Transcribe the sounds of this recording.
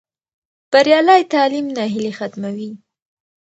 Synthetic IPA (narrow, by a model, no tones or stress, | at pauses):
b̥aɾjɑlajt̪ɑlimnɑɦɪlexat̪mawi